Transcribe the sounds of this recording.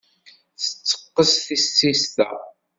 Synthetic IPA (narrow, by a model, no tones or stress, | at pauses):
θət͡sːə̥qːəsθisːist̪æ̰